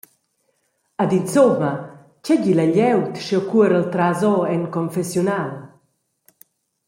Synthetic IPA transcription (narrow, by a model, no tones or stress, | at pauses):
ad̪insomɐ | cɛɟilaʎɛwt̪ʃɔkuəɾəlt̪ɾazɔɛŋkɔɱfɛsjunal